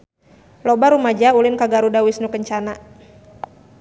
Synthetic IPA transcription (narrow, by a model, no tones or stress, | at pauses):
lɔbaɾumad͡ʒaulɪnkaɡaɾudawɪsnukəɲt͡ʃana